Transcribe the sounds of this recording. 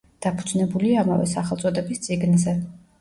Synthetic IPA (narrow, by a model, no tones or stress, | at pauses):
d̪̥apʰud̪znɛbuliama̰vɛ̰saχɛlˠt̪sʼɔd̪ɛbist̪sʼiɡnzɛ